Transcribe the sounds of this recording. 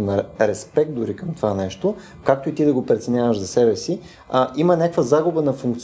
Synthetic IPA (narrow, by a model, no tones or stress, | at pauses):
nɐɾɛspɛk̚t̪d̪ʊɾikəmt̪ovanɛʃt̪o | kak̚t̪oit̪id̪ɐɡopɾɛt̪sɛnʲavəʒzɐsɛbɛsi | ʔimənʲakəkvəzaɡubənɐfuŋk̚t̪s